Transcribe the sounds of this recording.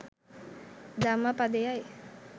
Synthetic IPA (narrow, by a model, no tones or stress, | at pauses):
d̪amapad̪ejaj